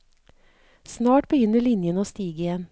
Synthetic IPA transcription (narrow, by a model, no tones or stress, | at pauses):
snɑːʈbəjʏnːəɭɪnjənəoːst̪iːɡəɪjɛn